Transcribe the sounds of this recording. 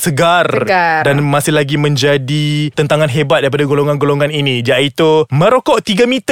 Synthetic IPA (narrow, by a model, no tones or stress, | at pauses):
səɡardanmasɪhlaɡimə̃ɲd͡ʒadit̪ənt̪aŋanɦebat̪̚daɾip̬adaɡoloŋanɡoloŋaninid͡ʒaʔit̪umə̃ɾokɔʔt̪iɡamĩt̪